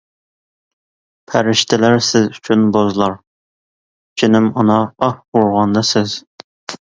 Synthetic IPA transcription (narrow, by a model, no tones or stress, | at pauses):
pʰæɾɪʃt̪ʰɪlæɾsɪzyt͡ʃʰynbozlˠɑɾ | t͡ʃʰinɪmunɑɑhuɾʁɑnd̪ɑsɪz̥